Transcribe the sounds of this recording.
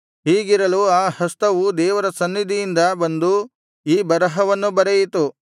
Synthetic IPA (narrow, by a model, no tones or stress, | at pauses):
ɦiːɡiɾɐluaːhɐst̪ɐʋud̪ɛːʋɐɾɐsɐnːid̪ijind̪ɐbɐnd̪u | iːbɐɾɐɦɐʋɐnːubɐɾejit̪u